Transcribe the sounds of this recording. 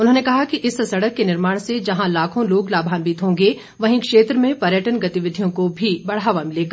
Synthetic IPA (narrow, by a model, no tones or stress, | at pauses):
ʊnɦõːnekɐɦakiʔɪsːsɐɽəkːenɪɾmaːɽ̃sed͡ʒɐɦãlaːkʰõloːɡlaːbʱaːnbiːt̪ɦõːŋɡe | ʋɐɦĩkʃeːt̪ɾəmẽpɐɾjəʈənɡɐt̪ɪʋɪd̪ʱijõkobʱibɐɽ̤aːʋamɪleːɡaː